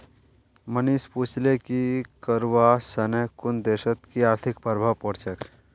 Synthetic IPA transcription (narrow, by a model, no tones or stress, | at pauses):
mənispuːt͡ʃʰlekikəɾʋasɐnəkʊnd̪eːʃət̪kiaːɾt̪ʰɪkpəɾbʱapɔɽt͡ʃək